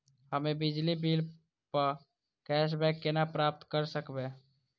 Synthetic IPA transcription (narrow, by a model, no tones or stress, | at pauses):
həmebid͡ʒlibil | pəɾ | kɛʃ̬bɛkːenapɾap̚t̪kəɾsəkbe